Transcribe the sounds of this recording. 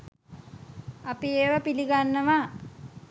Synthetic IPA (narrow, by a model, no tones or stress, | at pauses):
apieːʋəpiliɡanːəʋa